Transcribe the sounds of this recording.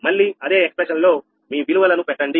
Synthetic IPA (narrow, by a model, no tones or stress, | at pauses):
mɐɭːiɐd̪e̞ːekspɾeʃɐnlo̞ː | miːʋiluʋɐlɐnupɛʈːɐɳɖi